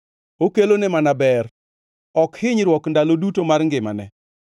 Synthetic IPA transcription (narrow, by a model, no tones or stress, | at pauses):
okelonemanabɛr | ɔkhɪɲɾwɔkndalodutomaɾŋɡɪma̰nɛ̰